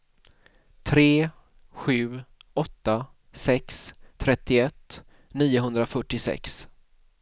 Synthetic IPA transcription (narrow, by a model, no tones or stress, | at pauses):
t̪ʰɾeː | ɧʉ̟ːɔt̪ːa | sɛksʰːɾɛt̪ːɪɛt̪ː | niːʊɦɵnd̪ɾafœʈːɪsɛ̰ks